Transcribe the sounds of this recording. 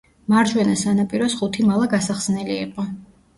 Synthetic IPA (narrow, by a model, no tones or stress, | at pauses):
maɾd͡ʒwɛnasanapʼiɾɔsχut̪ʰimalˠaɡasaχz̥nɛliḭqʼɔ